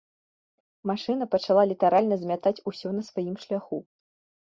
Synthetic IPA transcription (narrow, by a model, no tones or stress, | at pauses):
maʂɨn̪ɐpɐt͡ʂalˠalʲit̪aɾalʲnɐzʲmʲat̪at͡sʲusʲɔnɐsvajimʂlʲaxu